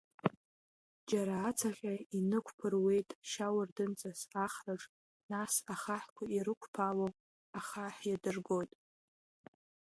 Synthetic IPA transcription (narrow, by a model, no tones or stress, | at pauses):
d͡ʒaɾaːt͡sʰaχʲainɨkʷʰpʰɨrwe̞jtʼʃawardɨnt͡sʼasaχraʈ͡ʂʼ | nasaχaħkʷʰaiɾɨkʷʰpʰawo | aχaħjadɨrɡo̞jtʼ